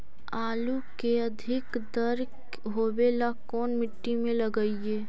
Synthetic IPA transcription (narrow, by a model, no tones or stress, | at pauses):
aːlukeəd̪ʱɪk | d̪əɾk | ɦoːbelakɔːnmɪʈːimẽləɡəieː